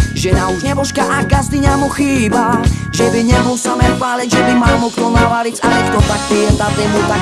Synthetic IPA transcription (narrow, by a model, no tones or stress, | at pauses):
ʒɛnauʒɲɛbɔʃkaʔaɡazd̪iɲamuxiːbaʒɛbiɲɛbulsamɛxʋaːlɛʒɛbimaːmɔkt̪ɔlnaʋalit͡saɲɛkt̪ɔt̪ak̚ːiɛt̪at̪ɛmut̪ak